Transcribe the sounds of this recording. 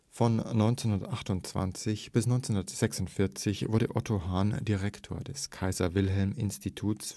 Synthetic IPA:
fɔnːɔʏnt͡senhʊndɐətʔaχtʊnt͡sv̥a̰nt͡sɪçb̥ɪsnɔʏnt͡senʊndɐətz̥ɛksʊntfɪɐt͡sɪçv̥ʊɐdəʔɔtʰoɦaːndiʁɛktʰo̰ːɐdɛskʰaɪzɐvɪlɦɛlmɪnstitʰuːs

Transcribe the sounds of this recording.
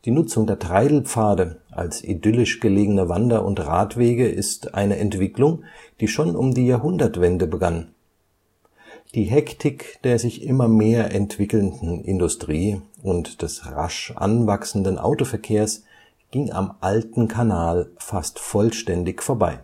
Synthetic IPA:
d̥iːnʊt͡sʊŋdeːɐtʁ̥aɪdl̩pp͡faːdəʔa̰lsʔḭdʏlɪʃɡ̥əleːɡənəvandɐʔʊntʁaːtv̥eːɡəʔɪstʔa̰ɪnəʔɛntv̥ɪklʊŋd̥iːʃoːnʊmdiːjaːɐɦʊndɐtv̥ɛndəbəɡan | d̥iːɦɛktʰɪkd̥eːɐzɪçʔɪmɐmeːɐʔɛntv̥ɪkl̩ndn̩ʔɪ̰ndʊstʁ̥iːʊntd̥ɛsʁa̰ʃʔa̰nvaksn̩dən̩ʔa̰ʊtofɛɐkʰeːɐs | ɡ̥ɪŋa̰mʔaltn̩kʰanaːlfastfɔlʃtɛndɪçfoːɐbaɪ

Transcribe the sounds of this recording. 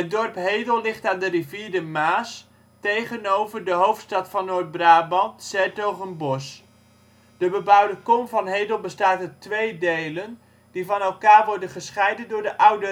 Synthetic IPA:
ɦət̚dɔrpɦejdəlˠlɪχtaːndəriviːɹdəmaːs | tejχənowvəɹdəɦowftstɑtfɑnːoːɹd̚braːbɑntsɛɹtowχənbɔs | d̥əbəbʌwdəkɔmvɑnɦejdəl̩ˠbəstaːtətʋejdejlən | divɑnɛlˠkaːɹʋɔɹdənχəsχɛjdəndʊːɹdəʔʌwdə

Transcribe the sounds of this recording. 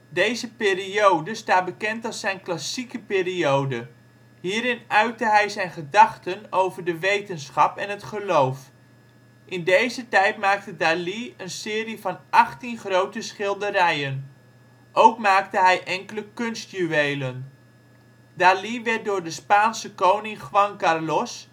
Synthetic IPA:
dejzəpɪːriowdəstaːt̚bəkɛntɑlˠsɛjnklasikəpɪːriowdə | ɦiːɾɪnœɥtəɦɛjzɛjnχədɑχtənowvəɹdəʋejtənsχɑpɛnətχəlowf | ʔɪndejzətɛjtmaːk̚tədaːliənsɪːrivɑnʔɑχtinχrowtəsχɪlˠdəɾɛjən | ʔowkmaːk̚təɦɛjʔɛŋkələkɵnst̚jyejlən | daːliʋɛrt̚dʊːɹdəspaːnsəkownɪŋχʋɑŋkarlɔs

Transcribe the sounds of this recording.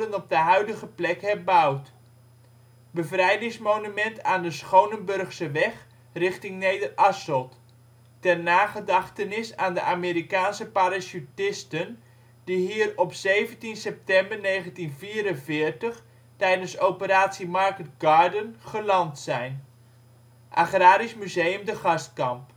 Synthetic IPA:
ənɔb̚dəɦœɥdəɣəplɛkhɛbawt | bəvrɛjdɪŋsmownymɛntʰaːndəsχownənbɵrχsəʋɛχ | rɪχtɪŋnejdərʔɑsɔlˠt | tɛrnaːχədɑχtənɪsaːndəʔameːɾikaːnsəpaɾasutɪstən | diɦiːərɔpseːvəntinsɛp̚tɛmbərnejχəntinviːɾənvɪːərtəχ | tɛjdənsowpəɾaːtsimarkət̚ɡaːdənχəlɑntsɛjn | ʔaχraːɾismyzejəmdəχɑst̚kɑmp

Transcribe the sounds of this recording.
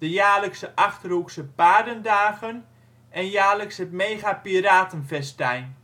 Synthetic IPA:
d̥əjaːləksəʔaxtruksəpaːdəndaːɣən | ɛnjaːləksətmeːɣapiɾaːtənfɛstɛjn

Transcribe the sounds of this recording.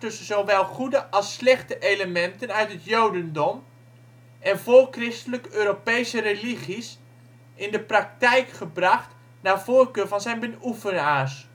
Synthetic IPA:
tɵsənzowʋɛlˠχudəʔɑlˠslɛχtəʔejləmɛntənœɥtɦətjowdəndɔm | ʔɛnvolˠkrɪstələkøːɾopejsəɾeliχis | ɪndəprɑk̚tɛjkχəbrɑχt | naːv̥oːɹkøːɹvɑnzɛjnbənufənaːɹs

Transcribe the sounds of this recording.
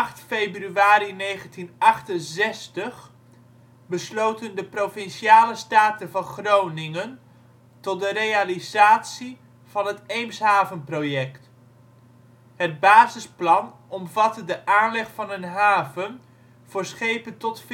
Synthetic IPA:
χtfejbryaːɾinejχəntinɑχtənzɛstəχ | bəslowtəndəprofɪnʃiaːləstaːtəvɑnχrownɪŋən | tɔt̚dəɾejalizaːtsi | v̥ɑnɦətejmsɦaːvənprowjɛkt | ɦəd̚baːzɪsplɑn | ɔmvɑtədəʔaːnlɛχfɑnənɦaːvən | v̥ʊːɹsχejpəntɔtf

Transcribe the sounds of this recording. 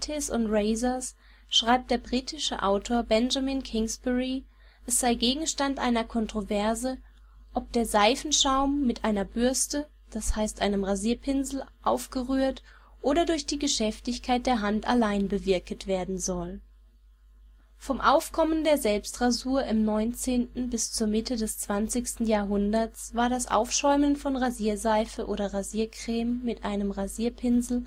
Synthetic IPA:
tʰɪsʊ̰ntʁeɪzɐs | ʃʁ̥aɪp̚td̥eːɐbʁiːtʰɪʃə̰ʔaʊtʰoːɐbɛnʒaminkʰɪŋsb̥ɛʁi | ʔɛsz̥aɪɡeːɡŋ̩ʃtantʔa̰ɪnɐkʰɔntʁ̥ovɛɐzə | ʔɔp̚d̥eːɐzaɪfn̩ʃaʊmːɪtʔaɪnɐbʏɐstə | d̥ashaɪstʔaɪnəmʁaziːɐpʰɪnzl̩ʔa̰ʊfɡ̥əʁyːɐt | ʔoːɾɐdʊɐçd̥iːɡəʃɛftɪçkʰaɪt̚d̥eːɐɦantʔalaɪnbəvɪɐkətv̥eːɐdn̩zɔl | fɔmʔaʊfkʰɔməndeːɐzɛlpstʁ̥azuːɐʔɪmnɔʏnt͡seːntn̩bɪst͡suːɐmɪtədɛst͡sv̥ant͡sɪçstn̩jaːɐɦʊndɐt͡sv̥aːɐɾasʔa̰ʊfʃɔʏmənfɔnʁaziːɐzaɪfəʔoːɾɐʁaziːɐkʁ̥ɛːmːɪtʔaɪnəmʁaziːɐpʰɪnzl̩

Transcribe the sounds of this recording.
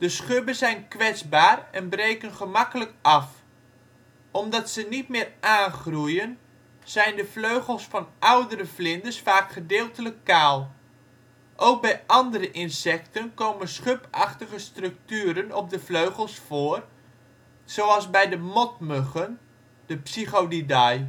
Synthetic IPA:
d̥əsχøbənzɛjnkʋɛt͡sbaːrɛnbrejkənχəmɑkələkɑf | ʔɔmdɑtsənit̚mɪːraːnχrujən | z̥ɛjndəfløɥχəlˠsfɑnʔawdəɾəflɪndəsfaːkχədɪːlˠtələkːaːlˠ | ʔowk̚bɛjʔɑndəɾəʔɪnsɛk̚tənkoːmənsχøpɑχtəɣəstrɵk̚tyːɾənɔp̚dəfløɥχəlˠsfoːər | z̥oɑlˠzbɛjdəmɔt̚møχən | d̥əpsiχodidɑj

